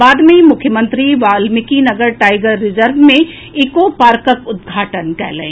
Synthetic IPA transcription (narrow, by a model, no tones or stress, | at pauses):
baːd̪mẽmʊkʰjəmə̃nt̪ɾiʋaːlmɪkinɐɡəɾʈaːɪɡəɾːɪd͡ʒəɾʋmẽ | ɪkopaːɾkəkʊd̪̚ɡʱaːʈənkɛ̰ːlḛ̃ː